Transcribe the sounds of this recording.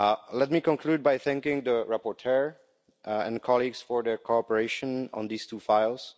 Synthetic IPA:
lɛt̚mikɔ̃nkʰluːd̚bajθæ̃ŋkɪ̃ŋd̪əɹapɔɹtʰɛɹ | ɛ̰̃nkʰɔlˠiɡsfɔɹdəkʰoɔpəɹeɪʃə̃nɔ̰̃nd̪istʰufaɪlˠs

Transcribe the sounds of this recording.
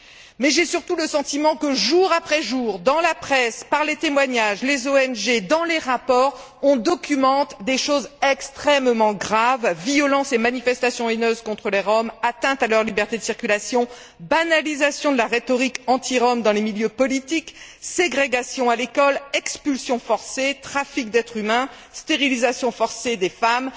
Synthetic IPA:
mɛʒɛsyʁt̪uləsɑ̃t̪imɑ̃kəʒuʁapχɛʒuʁd̪ɑ̃lapχɛspaʁlet̪emwaɲaʒlezoɛnʒed̪ɑ̃leʁapɔːʁ | ɔ̃d̪ɔkʲymɑ̃t̪d̪eʃozɛkst̪χɛmmɑ̃ɡʁavːiɔlɑ̃semanifɛst̪asjɔ̃enøzkɔ̃t̪χəleʁɔmat̪ɛ̃t̪alœʁlibɛʁt̪ed̪əsiʁkʲylasjɔ̃ | banalizasjɔ̃d̪əlaʁet̪ɔʁikɑ̃t̪iʁɔmd̪ɑ̃lemiljøpɔlit̪ikseɡʁeɡasjɔ̃alekɔlɛkspylsjɔ̃fɔʁset̪χafik̚d̪ɛt̪χymɛ̃ | st̪eʁilizasjɔ̃fɔʁsed̪efam

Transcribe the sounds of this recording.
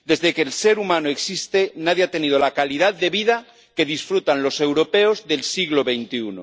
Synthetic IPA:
d̪e̞zðekeːlse̞ɾumanoeksist̪enaðjeat̪e̞nið̞olakalið̞at̪d̪e̞βiða | ke̞ð̞isfɾut̪anlo̞se̞wɾo̞pe̞ozðe̞lsiɣlo̞βe̞jnt̪iuno̰

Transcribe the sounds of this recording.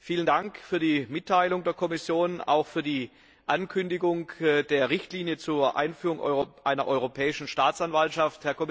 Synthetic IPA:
fiːləndaŋkfyːɐdiːmɪtʰːaɪlʊŋdeːɐkʰɔmɪsjoːna̰ʊxfyːɐdiː | ʔankʰʏndɪɡʊŋd̥eːɐʁɪçtliːnjət͡suːɐʔa̰ɪnfyːʁʊŋʔʔaɪnɐʔɔʏʁopʰɛːɪʃn̩ʃtaːt͡sanvaltʃafthɛɐkʰɔm

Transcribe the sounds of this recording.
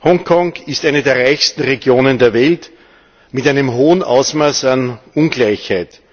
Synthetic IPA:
hɔŋkʰɔŋɪstʔæɪnədeːɐʁaɪçstn̩ʁeɡjoːnəndeːɐvɛlt | mɪtæɪnəmɦoːənʔa̰ʊsmaːsanunɡlaɪçhaɪt

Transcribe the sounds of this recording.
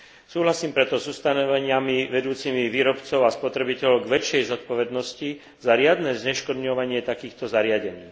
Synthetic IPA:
suːɦlasiːmpɾɛt̪ɔzust̪anɔʋɛɲɪamiʋɛd̪uːt͡simiʋiːɾɔpt͡sɔʊaspɔt̪ɾɛbicɛʎɔʊɡʋɛt͡ʃːɛjzɔt̪̚pɔʋɛd̪nɔsci | zaɾɪad̪nɛːzɲɛʃkɔd̪ɲɔʋaɲɪɛt̪akiːxt̪ɔzaɾɪaɟɛɲiː

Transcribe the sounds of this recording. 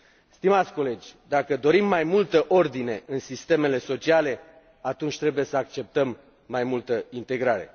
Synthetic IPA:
st̪imat̪sʲko̞le̞d͡ʒʲd̪akəd̪o̞ɾimːajmult̪əʔo̞rd̪ine̞ɨnsist̪e̞me̞le̞so̞t͡ʃiale̞ | at̪unt͡ʃʲt̪ɾe̞buje̞səakt͡ʃe̞p̚t̪əmː | ajmult̪əint̪e̞ɡɾaɾe̞̰

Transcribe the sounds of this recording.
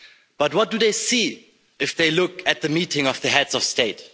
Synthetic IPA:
b̥ʌt̚wʌt̚d̥ɨðeɪsi | ɪfðeɪlʊkɨt̪̚ðɨmitɪ̃ŋʌvðɨɦɛdzʌfsteɪt

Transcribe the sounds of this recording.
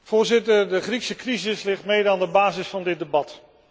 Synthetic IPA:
v̥ʊːɹzɪtəɹdəχriksəkrizɪslɪχtmɪːɹdɑndəbaːzɪsfɑndɪt̚dəbɑt

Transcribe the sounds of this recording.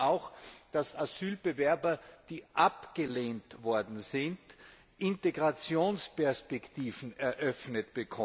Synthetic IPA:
aʊxd̥asaz̥yːlbəvɛɐbɐd̥iːʔapɡ̥əleːntvɔɐdn̩zɪnd | ʔɪnteɡʁat͡sjoːnspɛɐspɛktʰiːvn̩ɛɐʔœfnətb̥əkʰɔ

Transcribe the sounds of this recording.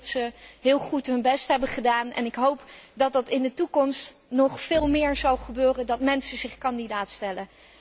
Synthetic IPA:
tsəɦɪːlˠχutɦɵnbɛstɦɛbəχədaːnɛ̰nɪkɦowpdɑtdɑtɪndətukɔmstnɔχfɪːlˠmɪːɹzɑlˠχəbøːrəndɑtmɛnsəzɪχkɑndidaːtstɛlə

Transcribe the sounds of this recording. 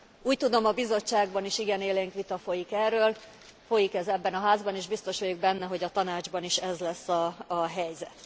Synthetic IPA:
uːct̪ud̪o̞mɒbizo̞t͡ʃːaːɡbɒniʃiɡɛneːleːŋkʋit̪ɒfo̞jikɛrːøːl | fo̞jikɛzɛbːɛnɒɦaːzbɒneːʒbist̪o̞ʃojuɡ̚bɛnːɛɦo̞ɟɒt̪ɒnaːd͡ʒbɒniʃɛzlɛsːɒːɦɛjzɛt̪

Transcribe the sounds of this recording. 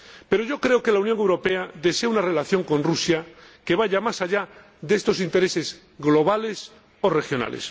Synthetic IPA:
pe̞ɾo̞ʝo̞kɾe̞oke̞launjoŋe̞wɾo̞pe̞aðe̞seaunarelaθjo̞ŋko̞nrusjake̞βaʝamasaʎa | ðest̪o̞sint̪e̞ɾe̞se̞z | ɣlo̞β̞ale̞s | o̞re̞xjo̞na̰lḛs

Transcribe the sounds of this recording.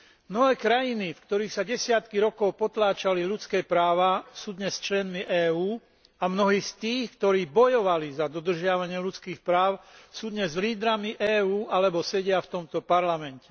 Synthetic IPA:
mnɔɦɛːkɾajinifkt̪ɔɾiːxsaɟɛsɪat̪kiɾɔkɔʊpɔt̪laːt͡ʃalilut͡skɛːpɾaːʋasuːd̪ɲɛst͡ʃlɛnmiʔɛːuː | amnɔɦiːst̪iːxkt̪ɔɾiːbɔjɔʋalizad̪ɔd̪r̩ʒɪaʋaɲɪɛlut͡skiːxpɾaːʊsuːd̪ɲɛzliːd̪ɾamiʔɛːuːʔalɛbɔsɛɟɪaft̪ɔmt̪ɔpaɾlamɛncɛ

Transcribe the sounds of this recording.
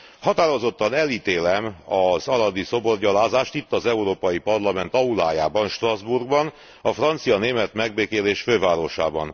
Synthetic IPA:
hɒt̪aːɾo̞zo̞t̪ːɒnɛliːt̪eːlɛmɒzɒlɒd̪iso̞bo̞rɟɒlaːzaːʃt̪it̪ːɒzɛuɾoːpɒjipɒrlɒmɛnt̪ɒulaːja̰ːbɒnʃt̪rɒzburɡbɒn | ɒfrɒnt̪sijɒneːmɛt̪mɛɡ̚beːkeːleːʃføːvaːɾo̞ʃa̰ːbɒ̰n

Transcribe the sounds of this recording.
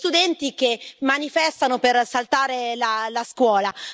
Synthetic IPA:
t̪ud̪ɛnt̪ikemːanifɛst̪anopersalt̪aːɾelalaskwɔːla

